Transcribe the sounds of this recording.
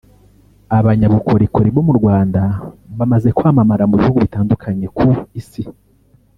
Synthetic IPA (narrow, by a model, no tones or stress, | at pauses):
aβaɲaβuko̞ɾikʰo̞ɾiβo̞muɾɡwaːndaβamaze̞kwaːmamaɾamuβihuɡuβitaːndukʰaɲe̞kʰuisi